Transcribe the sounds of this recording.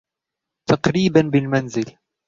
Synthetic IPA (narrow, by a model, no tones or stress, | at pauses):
t̪ɑqɾiːbanbɪlmanzɪl